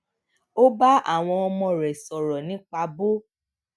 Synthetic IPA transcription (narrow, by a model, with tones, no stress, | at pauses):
o˦ba˦a̰˦˨w̃ɔ̃˧ɔ˧mɔ̃˧ɾɛ˨sɔ˨ɾɔ˨nĩ˨˦k͡pa˧bo˦